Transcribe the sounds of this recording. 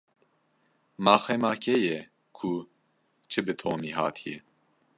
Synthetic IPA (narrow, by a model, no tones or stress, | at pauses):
mɑːxɛmɑːkʰɛjɛ | kʰu | t͡ʃʰɨbɨt̪ʰoːmiɦɑ̰ːt̪ʰijɛ